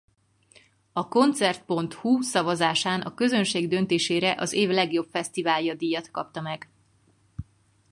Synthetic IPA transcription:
ɒko̞nt̪sɛrt̪̚po̞nt̪husɒvɒzaːʃaːnʔɒkø̞zø̞nʃeːɡd̪ø̞nt̪eːʃeːɾɛʔɒzeːvlɛɡjo̞pfɛst̪ivaːljɒd̪ijɒt̪kɒ̰p̚t̪ɒmɛɡ

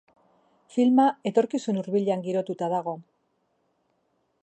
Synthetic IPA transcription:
filmae̞t̪o̞ɾkisunuɾβiʎeaŋɡiɾo̞t̪ut̪aðaɣ̞o̞

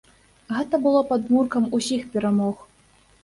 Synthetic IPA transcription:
ɣɛt̪ɐbɨlˠɔpad̪murkɐmusʲixpʲɛɾamɔx

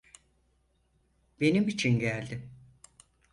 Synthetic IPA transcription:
be̞nimit͡ʃʰinɟælʲd̪ɪ

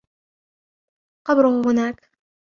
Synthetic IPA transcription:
qɑbɾʊhhʊnaːk

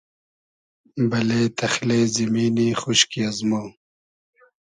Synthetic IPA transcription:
bɐleːt̪ʰɐxleːzimiːniːxuʃkiazmoː

